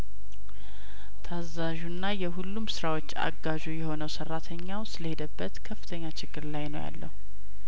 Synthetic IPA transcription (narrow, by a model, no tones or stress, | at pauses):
t̪ʰazaʒunːajɛɦulːumsɨɾawo̞t͡ʃːa̰ɡaʒujɛho̞nəwsərːat̪ʰəɲːawsɨləhe̞d̪əbːət̪kʰəfːɨt̪ʰəɲːat͡ʃɪɡːɨɾlajnə̰wja̰lːə̰hu